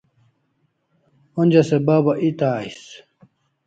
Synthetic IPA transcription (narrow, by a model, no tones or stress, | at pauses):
onʲd͡ʑɐsebaːbaʔit̪aːis